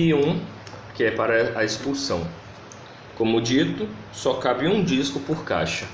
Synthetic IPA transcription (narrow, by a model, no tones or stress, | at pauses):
iũ | kɪɛpaɾɐɐespusɐ̃w̃ | kõmʊd͡ʒit̪ʊ | sɔkabɪũd͡ʒiskʊpoɾka̰jʃɐ